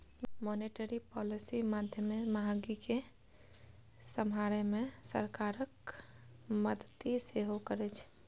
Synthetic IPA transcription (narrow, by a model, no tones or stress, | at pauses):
mɔneʈəɾipɔlisimad̪ʱjəmemaɦaɡike | səmɦaɾɛmesə̰ɾkaɾək | məd̪ət̪iseɦokəɾɛt͡ʃʰ